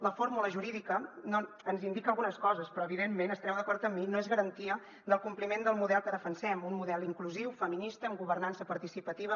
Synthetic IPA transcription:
ləfoɾmuləʒuɾiðikəno | ənzind̪ikəlˠɣunəskɔzəspɾɔəβiðemːenəst̪ɾɛwðəkɔɾt̪əmːinoezɣəɾənt̪iə | d̪əlˠkumplimend̪əlˠmuðɛlˠkəðəfənsɛmunmuðɛlˠiŋkluziwfəminist̪əːmɡuβərnansəpəɾt̪isipət̪iβ̞ə

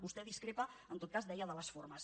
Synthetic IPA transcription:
βust̪ɛðiskɾepəənt̪ot̪̚kazd̪ɛjəðələsforməs

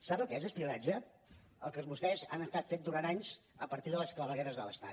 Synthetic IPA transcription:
saβəlˠkezəspiunad͡ʒə | ə̰lˠkəlˠzβust̪ɛzanəst̪at̪fet̪̚d̪uɾant̪aɲz̥əpəɾt̪iðələskləβəɣɛɾəzðələ̰st̪a̰

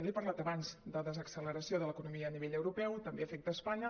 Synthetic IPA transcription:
βepəɾlat̪əβanzd̪əðəzəksələɾəsioðələkunumiəːniβeʎəwɾupɛwt̪əmbeəfɛk̚t̪əːspaɲə

